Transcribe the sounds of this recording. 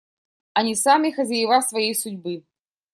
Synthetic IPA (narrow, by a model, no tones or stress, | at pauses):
ɐnʲisamʲɪxɐzʲɐjɪvasvɐjejsʊdʲbɨ